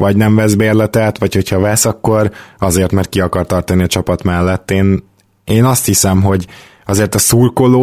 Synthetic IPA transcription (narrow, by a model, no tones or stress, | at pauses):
vɒɟnɛɱvɛzbeːrlɛt̪ɛt̪ʋɒcho̞cʰhɒvɛsɒkːo̞ɾɒzeːrt̪mɛrt̪̚kiɒkɒrt̪ɒrt̪ɒniɒt͡ʃɒpɒt̪mɛlːɛt̪ːeːn | eːnɒst̪hisɛmɦo̞ɟ | ɒzeːrt̪ɒsuːrkoloː